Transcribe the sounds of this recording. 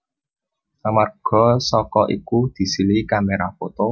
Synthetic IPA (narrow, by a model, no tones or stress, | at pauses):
amarɡ̥ɔ̤sɔkɔʔḭkud̪̥i̤silikameɾafot̪o